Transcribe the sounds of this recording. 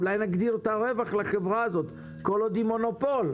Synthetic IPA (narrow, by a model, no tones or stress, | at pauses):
lajnaɡd̪iʁt̪aʁevaχlaχevʁaːzo̞t̪ | ko̞lod̪imo̞no̞po̞l